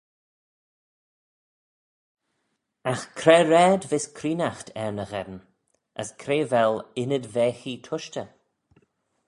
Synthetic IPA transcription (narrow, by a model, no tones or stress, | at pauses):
axkʰɾɛɾɛːdvɪskʰɾiːnaxtʰɛɹnəɣɛdn | ə̰skʰɾeːvɛlɪnədvɛːxiːtʰʊʃtə